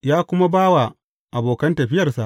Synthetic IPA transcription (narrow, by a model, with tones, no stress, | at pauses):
jaː˦kʷʊ˦ma˦baː˦wa˨ | ʔa˨boː˨kɐ˦ntɐ˨ɸɪ˦jɐ˨rsa̰˨ʔ